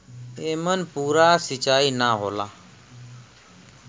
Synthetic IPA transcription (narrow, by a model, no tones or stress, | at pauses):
eːmənpuːɾaːsɪt͡ʃaːiːnaːɦoːlaː